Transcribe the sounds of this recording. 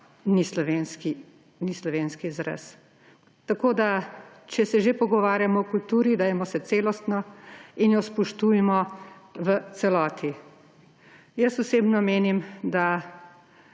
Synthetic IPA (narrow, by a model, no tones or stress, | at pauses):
nislɔʋeːnski | nislɔʋeːnskizɾɛ̰s | t̪akoːd̪a | t͡ʃɛsɛʒepɔɡɔʋaːɾjamɔkult̪uːɾid̪ajɛmɔsɛt̪seːlɔst̪nɔinjɔspɔʃt̪uːjɛmɔʋət̪sɛlɔːt̪ʰi | jəsɔseːbnɔmeːnimd̪a